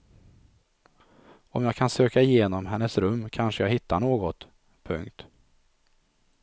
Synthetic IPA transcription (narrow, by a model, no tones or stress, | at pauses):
ɔmjaːɡkʰansøːkaɪjeːnɔmɦɛnːəsɾɵmːkʰanʂəjaːɦɪt̪ʰːanoːɡɔt̪ | pʰɵ̰ŋk̚t̪